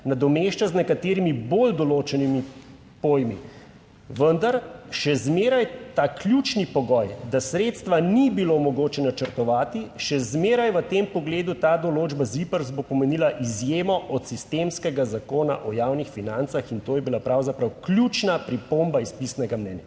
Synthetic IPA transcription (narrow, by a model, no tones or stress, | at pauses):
nad̪ɔmeʃt͡ʃaznɛkat̪eːɾimibold̪ɔloːt͡ʃɛnimi | poːjmḭ | ʋənd̪aɾʃɛzmeːɾajt̪aːklʲjut͡ʃnipɔɡɔjd̪asɾeːt̪st̪ʋanibilomɔɡoːt͡ʃɛnat͡ʃəɾt̪ɔʋaːt̪iʃɛzmeːɾajʋət̪empɔɡleːd̪ut̪aːd̪ɔloːd͡ʒbazipəɾzbopɔmɛniːlaʔizjeːmɔʔɔt̪sist̪emskɛɡazakoːna̰ʔɔjaːwnixfinant̪saxint̪oːjɛbilapɾawzapɾawklʲjut͡ʃnapɾipoːmbaispisnɛɡamnɛnja